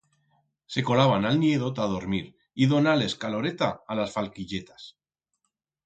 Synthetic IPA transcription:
se̞ko̞laβanalnje̞ðo̞t̪að̞o̞ɾmiɾ | iðo̞nale̞skalo̞ɾe̞t̪aːlasfalkiʎe̞t̪ḁs

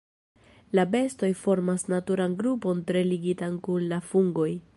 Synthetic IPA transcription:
labe̞sto̞jfo̞ɾmasnatuɾanɡɾupo̞ntɾe̞liɡitankunlafuŋɡo̞j

